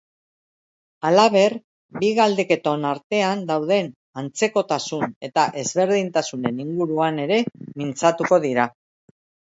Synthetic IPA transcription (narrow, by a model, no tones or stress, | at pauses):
alaβ̞e̞r | biɣald̪eke̞t̪o̞naɾt̪e̞and̪awð̞e̞n | ant͡se̞ko̞t̪asune̞t̪aʔe̞zβe̞ɾðint̪asune̞niŋɡuɾuane̞ɾe̞mint͡sat̪uko̞ðiɾa